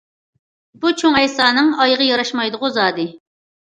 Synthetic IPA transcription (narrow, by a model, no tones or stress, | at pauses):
b̥ut͡ʃʰoŋɛjsɑːnɨŋɑjʁəjɑɾɑʃmɑjd̪ʊʁʊzɑːd̪ɨ